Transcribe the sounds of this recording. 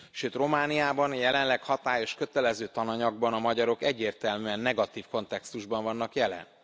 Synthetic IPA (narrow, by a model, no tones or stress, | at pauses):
ʃøːt̪ro̞maːnijaːbɒnjɛlɛnlɛkhɒt̪aːjo̞ʃkø̞t̪ɛlɛzøːt̪ɒnɒɲɒɡ̚bɒnɒmɒɟɒɾo̞kɛɟːeːrt̪ɛlmyɛnːɛɡɒt̪iːfko̞nt̪ɛkst̪uʒbɒɱvɒnːɒkjɛlɛ̰n